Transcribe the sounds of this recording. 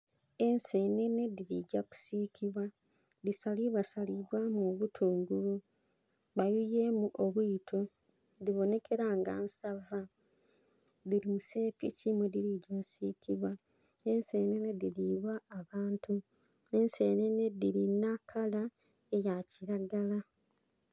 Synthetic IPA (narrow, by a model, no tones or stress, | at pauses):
e̞nse̞ːne̞ne̞diɾiɟaku̥siːkʰiβwa | ðisaliβasaliβwamuβutʰuːŋɡulu | βajujemuʔoβwiːtʰo | ðiβo̞ne̞kʰe̞ɾaːŋɡa̰nsava | ðiɾimuse̞ːpicimwediɾiɟoːsikʰiβwa | e̞nse̞ːnenediɾiβwaːβaːntu | e̞nse̞nenediɾinakʰala | ejaciɾaɡala